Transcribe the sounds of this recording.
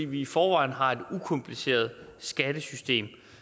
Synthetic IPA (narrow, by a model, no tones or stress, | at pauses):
ḭːʋiːfɒːʋɑ̈ɪ̰n̩ɦɑ̈e̝d̥ukʰɒ̽mpʰlise̝̰ːɐð̞ˠsɡ̥æd̥əsysd̥e̝̰ːm